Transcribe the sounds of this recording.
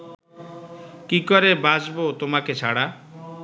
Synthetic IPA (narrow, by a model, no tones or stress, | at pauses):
kikɔɾebad͡ʑbot̪omaket͡ɕʰa̰ɽa